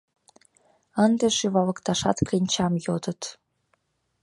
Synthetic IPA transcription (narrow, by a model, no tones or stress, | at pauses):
ənd̪eʃyβɑlɤ̆kt̪ɑʃɑt̪klʲinʲt͡ɕɑmjod̪ə̆t̪